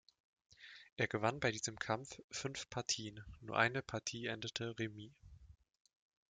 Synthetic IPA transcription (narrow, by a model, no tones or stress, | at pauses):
ʔeːɐɡəvanbaɪdiːzəmkʰamfːʏnfpʰaɐtʰiːənnuːɐʔaɪnəpʰaɐtʰiːʔɛndətʰəʁemiː